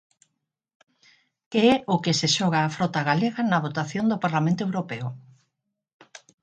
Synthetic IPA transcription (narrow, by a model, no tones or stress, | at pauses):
keɛʊkɪseʃɔɣ̞aːfɾɔt̪aɣaleɣanɐβ̞ot̪aθjond̪opaɾlamẽnt̪oewɾopeʊ